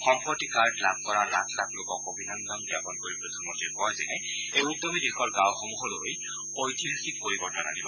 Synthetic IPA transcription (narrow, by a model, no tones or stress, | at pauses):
xɔmpɔtikaɹdlab̚kɔɹaɹa̰tʰlatlokɔkobʱinandɔmɡjapɔnkoɹipɹɔt̪ʰɔnmɔntikɔjzɛ̰nɛ | euk̚dɔmidixɔɹɡãwxɔmuɦɔloj | ojtiɔnsikkoɹibɔnana̰nibɔ